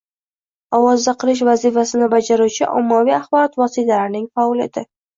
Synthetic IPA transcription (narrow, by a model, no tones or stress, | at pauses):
ɒwɒzd̪aqʰɨlɪʃ̬vazifasɪnɪbad͡ʒaɾuwt͡ʃʰɪʔɒ̰mːavijaχbɒɾɒt̪vɒsit̪ʰalaɾnɪŋfɒɒla̰d̪̥ɪ